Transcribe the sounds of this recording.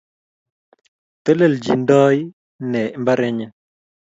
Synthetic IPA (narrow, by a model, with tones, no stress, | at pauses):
tə˦lə˦˨ld͡ʒḭ˨n˦dɔ˦j | nɛ˨˦mba˦ɾe˦ɲə˦